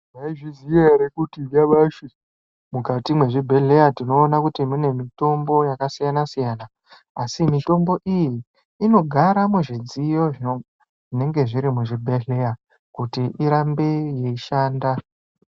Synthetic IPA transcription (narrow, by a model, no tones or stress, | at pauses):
maiʐizijeɾekutiɗaɓaːʃi | mukatimwe̞ʐibʱe̞ɮe̞jatino̞ːnakutimune̞mito̞mbo̞jakasijanasijaːnaː | simito̞mbo̞ʔijiː | no̞ɡʱaɾamweʐid͡zijo̞ʐino | ʐine̞ŋɡe̞ʐiɾimuʐibʱe̞ɮe̞ja | kutiʔiɾambe̞je̞iʃaːnda